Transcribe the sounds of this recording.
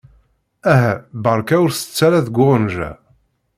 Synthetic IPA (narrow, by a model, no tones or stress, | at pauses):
æɦæbəɾˤkæʊɾθə̥t͡sːæɾæðɡʷʊnʒæ̰